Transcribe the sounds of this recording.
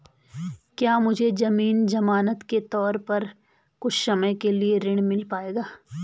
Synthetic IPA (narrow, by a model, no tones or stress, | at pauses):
kjaːmʊd͡ʒʱed͡ʒɐmiːnd͡ʒɐmaːnət̪ket̪ɔːɾpɐɾ | kʊt͡ʃʰsɐməjkelieɾɪɽ̃mɪlpaːeːɡaː